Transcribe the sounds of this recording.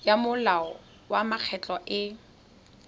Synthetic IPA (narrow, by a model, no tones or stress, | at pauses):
jamʊlaɔ | wamak͡xʰɛt͡ɬʼɔʔɪ